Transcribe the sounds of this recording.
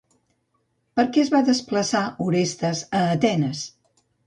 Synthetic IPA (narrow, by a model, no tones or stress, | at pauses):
pəɾkɛəzβaðəspləsauɾest̪əzəːt̪ɛnəs